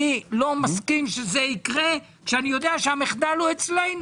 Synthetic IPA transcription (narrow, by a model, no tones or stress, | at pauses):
ilo̞maskimʃezeikʁe | kʃeanijo̞d̪eaʃeameχd̪aluet͡slejn